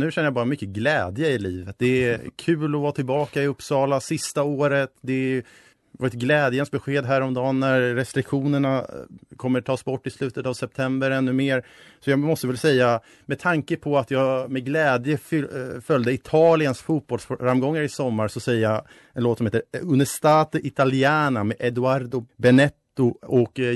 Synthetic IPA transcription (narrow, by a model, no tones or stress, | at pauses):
nʉ̟ːʃɛnːəjabɑːɾamʏkːəɡlɛːd̪jəɪliːvət̪̚d̪ɛækʰʉ̟ːlɔvɑːt̪ʰɪlbɑːkaɪɵpːsɑːlasɪst̪aoːɾət̪d̪ɛ | vɑɾɛt̪̚ɡlɛːd̪jənsbɛɧeːd̪ɦæːɾɔmd̪ɑːnːæɾːɛst̪ɾɪkɧuːnəɳakʰɔmːəʈʰɑːsbɔʈːɪslʉ̟ːt̪ət̪avsɛp̚t̪ʰɛmbəɾɛnːɵmeːɾ | sɔjɑːmɔst̪əvɛlsɛjːa | mɛt̪ʰaŋkəpʰɔat̪jɑːmɛɡlɛːd̪jəffœld̪əɪt̪ʰɑːlɪənsfuːt̪̚bɔlsffɾamɡɔŋːaɾɪsɔmːaɾsɔsɛjːəja | ɛnloːt̪sɔmheːt̪əɾɵnːəʂt̪aːt̪əʔɪt̪alɪɛːnamɛʔɛd̪ʊaɾd̪ʊbɛnɛt̪ːʊɔk